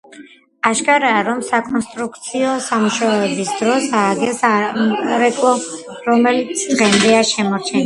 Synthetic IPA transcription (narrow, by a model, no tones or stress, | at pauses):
aʃkʼaɾaːɾɔmsakʼɔnst̪ʼɾukʰt̪sʰiɔsamuʃaɛbisd̪ɾɔsaɡɛsaɾɛkʼlˠɔ | ɾɔmɛlit̪sʰd̪ʁɛmd̪ɛaʃɛmɔɾt͡ʃʰɛn